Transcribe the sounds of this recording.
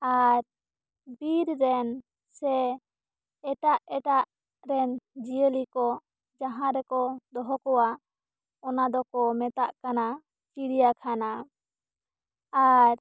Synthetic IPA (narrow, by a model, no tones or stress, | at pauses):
aɾ | biɾɾɛn | sɛ | ɛʈaʔɛʈaʔ | ɾɛnd͡ʒijəlikɔ | d͡ʒaɦãɾɛkɔd̪ɔɦɔkɔwa | ɔnad̪ɔkɔmɛt̪aʔkana | t͡ʃiɽijakʰana | aɾ